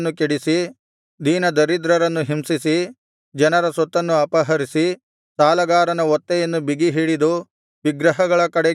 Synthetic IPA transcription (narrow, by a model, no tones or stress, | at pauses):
nːukeɽisi | d̪ʱiːnɐd̪ɐɾid̪ɾɐɾɐnːuɦimsisi | d͡ʒɐnɐɾɐsɔt̪ːɐnːuɐpɐɦɐɾisi | saːlɐɡaːɾɐnɐɔt̪ːɛjɐnːubiɡiɦiːɽid̪u | ʋiɡɾɐɦɐɡɐɭɐkɐɽɛ